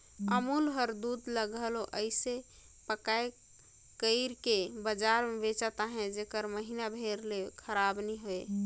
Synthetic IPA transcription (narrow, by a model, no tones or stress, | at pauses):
əmulɦəɾd̪ud̪ləɡəloʔəɪse | pəkae | kəɪɾkebəd͡ʒaɾmebet͡ʃat̪aɦɛ̃d͡ʒekəɾməɦinabʱeɾlekʰəɾabniɦoe